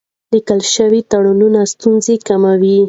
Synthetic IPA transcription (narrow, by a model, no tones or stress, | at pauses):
likəlʃəwit̪aɽununast̪unzekamawi